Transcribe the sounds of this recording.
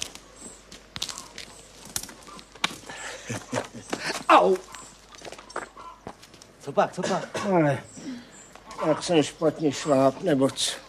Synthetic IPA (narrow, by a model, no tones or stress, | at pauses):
aw | t͡sɔpak̚t͡sʰɔpakalɛ | jaksɛmʃpat̪ɲɛʃlaːpnɛbot͡s